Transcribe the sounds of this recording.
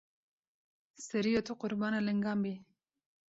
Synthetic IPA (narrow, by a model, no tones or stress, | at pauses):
səɾijot̪ʰuqʊɾbɑnaləŋɡɑːmbi